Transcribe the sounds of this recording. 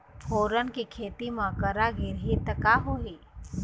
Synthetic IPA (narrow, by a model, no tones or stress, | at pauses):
pʰoːɾənkikʰeːt̪imãkəɾaɡɪɾɦit̪əkaɦoːɦiː